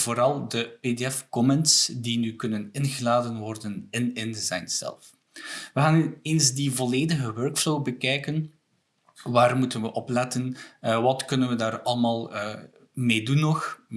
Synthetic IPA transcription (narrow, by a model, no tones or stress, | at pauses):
voːɾɑlˠdəpedeɛfkɔmɛntsdinykɵnənɪnɣəlaːdənʋɔrdənɪnɪndəza̰jnz̥ɛ̰lˠf | ʋəɣaːneːnzdivɔleːdəɣəwœrkfloːbəkɛjkən | ʋaːrmutənʋəʔɔplɛtənʋɑtkɵnənʋədaːrɑlˠəmaːlˠ | meːdunːɔx